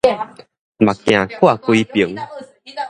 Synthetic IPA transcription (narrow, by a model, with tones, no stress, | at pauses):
ma˨˩kjã˨˩kʰwa˥˨kwi˧pi˨˦ŋ